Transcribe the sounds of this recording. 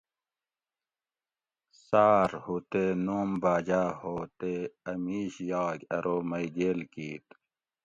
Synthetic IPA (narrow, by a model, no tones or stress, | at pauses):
saːɾhut̪enoːmbaːd͡ʑaːhoːt̪eɐmiːɕjɑːɡɐɾoːmɐjɡeːlkiːt̪